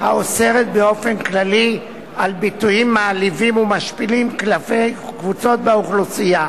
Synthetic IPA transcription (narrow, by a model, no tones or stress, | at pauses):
ha̰ose̞ʁet̪̚be̞o̞fe̞nklali | albitujimːaːlivimumaʃpilimklafejkvut͡so̞t̪̚beuχlusija